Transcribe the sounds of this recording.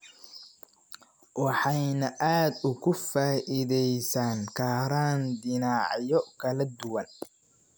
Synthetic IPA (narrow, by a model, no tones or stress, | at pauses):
wɑħɑjnɐʔaːd̪ʊkʰʊfaːʔɪðɛjsaːŋkʰaːɾaːnd̪ɪnɑːʕjɔkʰɐlɐd̪ʊwɐn